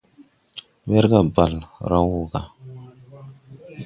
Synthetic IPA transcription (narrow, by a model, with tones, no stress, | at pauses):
ɓɛ˦ɾɡa˨ba˨lɾa˦wu˦ɡa̰˨